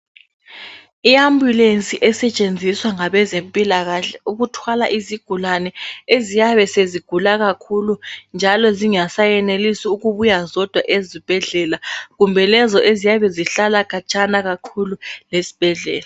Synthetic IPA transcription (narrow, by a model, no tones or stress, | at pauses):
iambʱjulent͡sʼiʔɛsɛt͡ʃʼend͡zʱiswaŋaβɛzempʼilaɣaɬɛuɣutʰwala̰ʔiziɡ̥ʱulanɛezijaβɛseziɡ̥ʱulaɣakʰulund͡ʒʱalɔziŋasajɛnelisiuɣuβujazɔd̥ʱwaʔezib̥ʱɛɮɛlaɣumbʱɛlɛzɔʔezijaβɛziɬalakʰʼat͡ʃʼanaɣakʰululesi̥b̥ʱɛɮɛ̰ːla